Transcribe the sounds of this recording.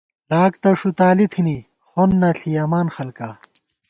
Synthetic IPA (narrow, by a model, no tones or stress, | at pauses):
laːkt̪ɐʂut̪aːlit̪ʰini | xonːɐɬʰijaːmaːnxɐlkaː